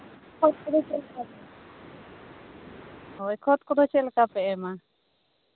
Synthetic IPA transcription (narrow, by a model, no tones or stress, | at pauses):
kʰɔt̪̚kɔd̪ɔt͡ʃɛlkapɛ | ɔjkʰɔt̪̚kɔd̪ɔt͡ʃɛlkapɛɛma